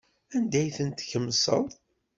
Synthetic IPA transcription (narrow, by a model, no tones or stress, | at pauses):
ænd̪æjθənt̪çəmːsə̰ðˤ